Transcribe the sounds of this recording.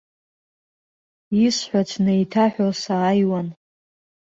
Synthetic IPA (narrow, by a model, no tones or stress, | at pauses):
isħʷat͡sʰnejtʰaħʷᶣosaːjwan